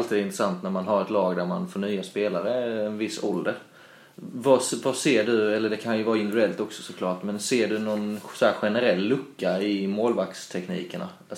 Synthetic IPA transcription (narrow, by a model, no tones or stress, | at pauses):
lt̪iːd̪ɪnt̪ɾəɛsant̪næɾmanɦaɾɛt̪lɑːɡd̪æɾmanfoːɳyːaspeːlaɾəɛnvɪsːɔld̪ə | vasvaseːɖɵɛlːəɖɛkʰanjɵvɑːɾɪnd̪ɪd̪ɛlt̪ɔksɔ̥sɔkʰlɑːʈmɛnseːɖɵnɔnsæːɧɛnəɾɛlːɵkːaɪmoːlvakst̪ʰɛknḭːkəɳa̰